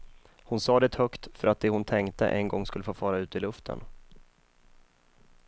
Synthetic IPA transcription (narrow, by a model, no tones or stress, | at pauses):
hʊnsɑːd̪ɛt̪ʰhœkt̪fœɾat̪̚d̪ɛhʊnt̪ʰɛŋkt̪ə̰ʔɛnɡɔŋːskɵlːəfoːfɑːɾaʉ̟ːt̪ɪlɵft̪ʰə̰n